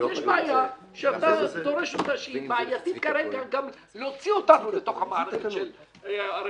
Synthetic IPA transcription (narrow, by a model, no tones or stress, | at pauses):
jeʃmaːja | ʃeat̪ad̪oɾeʃot̪aʃeimaːajat̪it̪kaɾelɡaɡam | lot͡siot̪anulet̪o̞χhamaaɾeʃel | aɾ